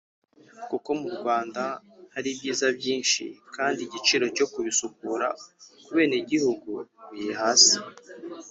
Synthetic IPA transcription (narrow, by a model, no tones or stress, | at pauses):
kuko̞muɾɡwaːnda | haɾibɟiːzabjiːnʃḭkaːndiɟit͡ʃiɾo̞co̞kuβisukuɾa̰kuβe̞ːne̞ɟihuɡuβijehaːsi̥